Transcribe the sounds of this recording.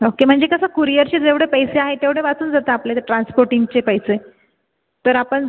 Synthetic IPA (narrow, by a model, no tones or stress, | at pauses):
okem̤əɳd͡zekəsakuɾijəɾt͡ɕed͡zeʋɽ̤epəjseaɦet̪eʋɽ̤eʋat͡suːnd͡zat̪aːplet̪eʈɾanspoɾʈiŋɡ̚t͡ɕepəjse | t̪əɾapəɳ